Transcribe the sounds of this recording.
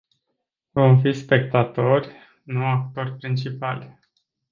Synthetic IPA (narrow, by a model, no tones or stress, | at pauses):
vo̞mfispe̞k̚t̪at̪o̞rʲ | nuakt̪o̞rʲpɾint͡ʃipalʲ